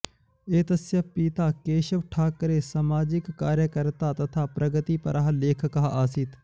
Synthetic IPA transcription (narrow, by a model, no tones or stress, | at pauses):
eːt̪ɐsjəpiːt̪aːkeːʃəʋʈʰaːkəɾeːsamaːd͡ʒɪkːaːɾjəkəɾt̪aːt̪ɐt̪ʰaːpɾəɡət̪iːpə̰ɾʔaːɦleːkʰkaɦʔaːsiːt̪